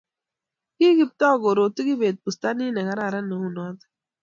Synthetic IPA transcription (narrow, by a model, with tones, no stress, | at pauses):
ki˦ɡi˨p̚t̪ɔ˦˨ɡo˨ɾoː˨t̪i˦ɡi˦beː˨t̪̚pu˨st̪a˦niː˦nɐ˨ɡa˦ɾa˨ɾa˦nə˨u˦nɔː˦t̪